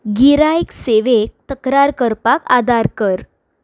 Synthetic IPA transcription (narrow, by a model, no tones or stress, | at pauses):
ɡiɾajkseʋek̚t̪əkɾaɾkəɾpakad̪aɾkəɾ